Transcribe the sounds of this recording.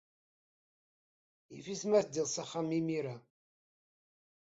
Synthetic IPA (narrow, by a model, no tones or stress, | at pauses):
ḭfismæθd̪ilsaχamimiɾa